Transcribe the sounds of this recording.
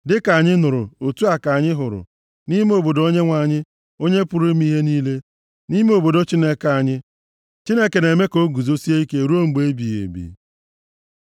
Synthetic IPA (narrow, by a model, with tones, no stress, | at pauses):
dɪ˦ka˨ɲɪ˦nʊ˨ɾʊ̰˨o˨tu˦a˨ka˨ɲɪ˦ɦʊ˨ɾʊ̰˨ | ni˦me˦o˨bo˨do˦ɲe˦ŋʷa˨ɲɪ˦ | o˦ɲe˦pʊ˨ɾʊ˦m˦i˦ɦe˦niː˦le˦ | ni˦me˦o˨bo˨do˦t͡ʃi˦ne˦ka˨ɲɪ˦ | t͡ʃi˦ne˦ke˨ne˨me˦ko˦ɡu˨zo˦si˦e˦i˦ke˦˨ɾu˦o˦ŋ͡m̩˨ɡ͡be˦bi˨ḛ˨bḭ˨